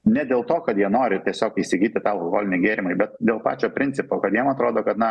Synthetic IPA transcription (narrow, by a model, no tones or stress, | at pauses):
nʲɛd̪ʲeːlˠt̪oːkɐt̪jiɛnoːɾʲɪt̪ʲiɛsʲoːkiːsʲɪɡʲiːt̪ʲɪt̪ɑɐlˠkoɡo̰ːlʲɪnʲɪɡʲeːɾʲɪmɐɪbʲɛt̪d̪ʲeːlˠpɑ̰ːt͡ʃʲoːpʲɾʲɪnʲt͡s̪ʲɪpoːkɐt̪jiɛmɐt̪ɾoːd̪oːkɐt̪nɐ